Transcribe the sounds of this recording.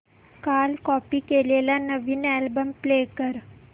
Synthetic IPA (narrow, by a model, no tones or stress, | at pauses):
kalkɔpiːkelelanəʋiːnɛlbəmplekəɾ